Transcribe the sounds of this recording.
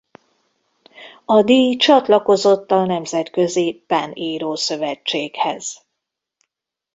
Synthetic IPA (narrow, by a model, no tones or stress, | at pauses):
ɒd̪iːjt͡ʃɒt̪lɒko̞zo̞t̪ːɒnɛmzɛt̪kø̞zipaniːɾoːsø̞vɛt͡ʃːeːkhɛz̥